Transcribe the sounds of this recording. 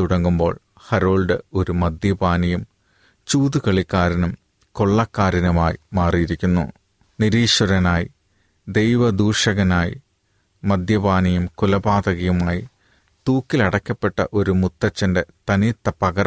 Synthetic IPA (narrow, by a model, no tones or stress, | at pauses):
uɽɐŋːumbo̞ːɭ | hɐɾoːɭɖɨo̞ɾumɐd̪jɐbaːnɐjum | t͡ɕuːd̪ukɐɭikːaːɾinɐm | ko̞ɭːɐkːaːɾinɐmaːjimaːrijiɾikʲːunːṵ | niɾiːʂwɐɾɐnaːji | d̪e̞jʋɐd̪uːrʂɐɣɐnaːjḭ | mɐd̪jɐbaːnɐjumkulɐbaːd̪ɐɣɐjumaːji | t̪uːkːilɐɽɐkːɐpːe̞ʈːɐ̰ʔo̞ɾumut̪ːɐt͡ɕːɐnde̞t̪ɐnit̪ːɐpɐɣɐɾ